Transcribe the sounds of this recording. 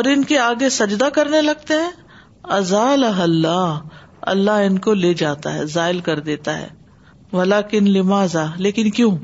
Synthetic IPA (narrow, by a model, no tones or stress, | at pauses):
ɔːɾɪnkeaːɡesɐd͡ʒd̪akɐɾnelɐɡ̚t̪eɦɛ̃ː | ɐzaːlɐɦɐlːaːɦ | ɐ̰lːaɦɪnkoleːd͡ʒaːt̪a̰ɦɛ̰ːzaːɪlkɐɾd̪eːt̪aɦɛ̰ː | ʋɐlaːkɪnlɪmaːzaːleːkɪnkjõː